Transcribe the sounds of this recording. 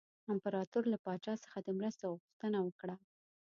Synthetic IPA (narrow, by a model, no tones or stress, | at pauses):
ɪmpaɾɑt̪uɾlapɑt͡ʃɑsə̥xad̪əmɾəst̪aɣʊxt̪ənawəkɽa